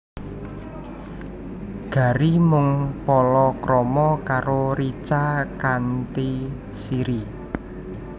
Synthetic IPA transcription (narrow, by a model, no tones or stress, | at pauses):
ɡ̥ä̤ɾimʊŋpɔlɔkɾɔmɔkaɾoɾit͡ʃakant̪i | siɾi